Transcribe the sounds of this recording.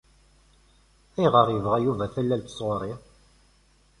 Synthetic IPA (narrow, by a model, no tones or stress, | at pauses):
ijʁəɾˤjəvʁæjuvæθælːælt̪ːə̥sʁʊɾˤi